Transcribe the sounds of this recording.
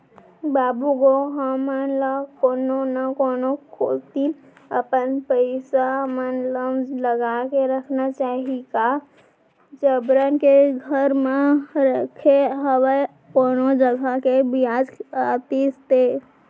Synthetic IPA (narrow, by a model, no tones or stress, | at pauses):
baːbuɡoɦamanlakoːnonakoːnokʰoːlt̪i | əpənpəɪsamənləmləɡakeɾəkʰnat͡ʃaːɦiɡa | d͡ʒəbɾənkeɡʱəɾmẽɾəkʰeɦəwe | koːnod͡ʒəɡʱakebiaːd͡ʒkaːt̪ist̪e